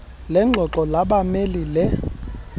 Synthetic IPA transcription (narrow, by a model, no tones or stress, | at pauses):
lɛŋ͡ǃʱɔǁɔlaɓamelilɛ